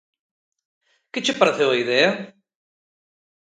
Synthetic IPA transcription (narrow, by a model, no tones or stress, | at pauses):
kɪt͡ʃʰpəɾət̪ʰeɦoːid̪eːa